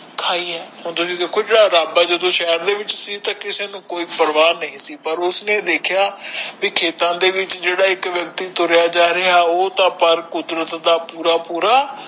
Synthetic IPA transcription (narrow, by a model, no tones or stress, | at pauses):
kʰaːiːɛːɦʊnt̪õːkõːkekod͡ʒeːɽaːɾaːbaːd͡ʒəd̪õːʃɛɦəɾd̪eːʋɪt͡ʃsiːt̪ãːkɪseːnũːkoːiːpəɾʋaːnəĩːsiːpəɾʊsneːd̪eːkʰjaːbiːkʰeːt̪ãːd̪eːʋɪt͡ʃd͡ʒeːɽaːɪkʋjəkt̪iːt̪ʊɾjaːd͡ʒaːɾeaːoːt̪ãːpəɾkʊd̪ɾət̪d̪aːpuːɾaːpuːɾaː